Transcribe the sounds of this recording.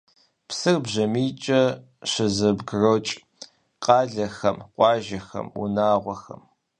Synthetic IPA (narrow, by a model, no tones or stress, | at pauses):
psɨrbʑɐmiːt͡ʃʼɐ | ɕɐzɐbɡrot͡ʃʼ | qɑːɮɐxɐmqʷʼɑːʒɐxɐ̰mṵnaːʁʷɔxɐ̰m